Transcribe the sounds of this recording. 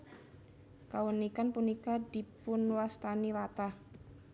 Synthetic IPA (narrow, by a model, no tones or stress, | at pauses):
kawənikanpunikadipunwast̪anilat̪ah